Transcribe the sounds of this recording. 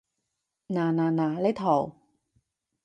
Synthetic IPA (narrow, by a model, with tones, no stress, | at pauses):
naː˧naː˧naː˨˦la˦˥jt̪ʰɔ˨˩˦w